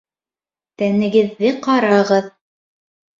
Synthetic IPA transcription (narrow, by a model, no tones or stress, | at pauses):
t̪ænɘ̆ɡɘ̆ðːɘqɑɾɑʁɤð